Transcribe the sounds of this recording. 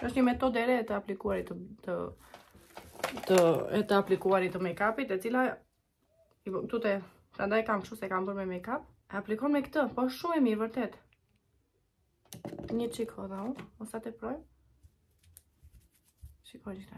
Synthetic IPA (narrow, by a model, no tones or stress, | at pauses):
əʃ̬t̪ɲəmɛt̪ɔd̪ɛɾɛt̪əaplikuaɾit̪ət̪ə | t̪əɛ̰t̪əaplikuaɾit̪əmɛkapit̪ɛt͡sila | it̪ut̪ɛ | t̪and̪ajikamʃusɛkambəɾmɛmɛkap | ɛaplikɔnmɛkt̪əpɔəʃʃumɛmiɾvəɾt̪ɛt̪ | ɲət͡ʃikʰɔðauɔsat̪ɛpɾɔj | t͡ʃikɔnia